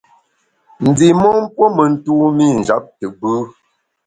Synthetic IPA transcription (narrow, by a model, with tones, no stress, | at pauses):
n̩˨d͡zi˨mɔ˦m˦pwo˦mə˨n̩˦tu˦mi˦˨n̩˨d͡ʒa˨˦p̚tə˨bʉ˦